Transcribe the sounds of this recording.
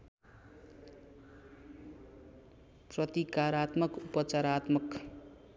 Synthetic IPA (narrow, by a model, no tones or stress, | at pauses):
prʌt̪ikaɾat̪mʌkupʌt͡saɾat̪mʌk